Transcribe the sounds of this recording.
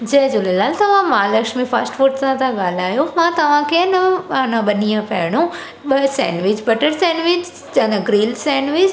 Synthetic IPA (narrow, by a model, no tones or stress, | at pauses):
d͡ʑɐ̃ɦɪ̃d͡ʑolelaːlt̪ɐʋ̤ãmãːlɐkʃmifɐɾsʈfoːɾʈsãt̪ʰãɠaːl̤aːjomãːt̪ɐʋ̤ãkʰeɪnɐanãɓɐniãpɐːɦɪɽ̃ũ | ɓɐsɛ̰̃ːnʋɪd͡ʑbɐʈəɾsɛ̃ːnʋɪt͡ɕ | t͡ɕɐnɐɡɾiːlsɛ̃ːnʋɪt͡ɕ